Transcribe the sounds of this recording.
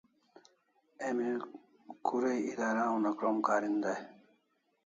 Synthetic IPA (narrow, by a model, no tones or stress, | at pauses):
emi | kuɾejid̪aɾãũnakɾɔmkaɾind̪aj